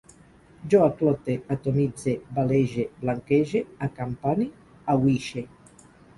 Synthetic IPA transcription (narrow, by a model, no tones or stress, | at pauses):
d͡ʒɔaklɔt̪eat̪omid͡zebaleʒeblaŋkeʒeakampani | awiʃe